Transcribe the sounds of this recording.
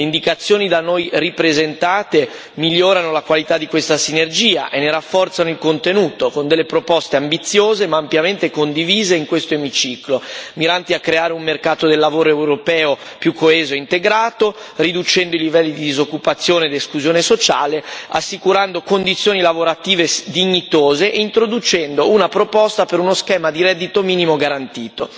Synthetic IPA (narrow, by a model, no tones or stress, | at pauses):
leind̪ikat̪sːjoːnid̪anojripɾezent̪aːt̪e | miljːoːɾanolakwalit̪ad̪ːikwest̪asinerd͡ʒiːa̰ʔenːeɾafːɔrt̪sanoilkont̪enuːt̪okond̪elːepɾopɔst̪eambit̪sːjoːzemaːmpjament̪ekond̪iviːzeiŋkwest̪oemit͡ʃiːklomiɾant̪iakːɾeaːɾeummerkaːt̪od̪elːavoːɾoɛwɾopɛːo | pjukʰːoɛːzoeint̪eɡɾaːt̪orid̪ut͡ʃɛnd̪oilivɛlːid̪id̪izokːupat̪sːjoːned̪eskluzjoːnesot͡ʃa̰ːlea̰sːikuɾand̪okond̪it̪sːjoːnilavoɾat̪iːved̪iɲːit̪oːzeʔeint̪ɾod̪ut͡ʃɛnd̪ounapɾopɔst̪apeɾunoskɛːmad̪iɾɛd̪ːit̪omiːnimoɡaɾant̪iːt̪o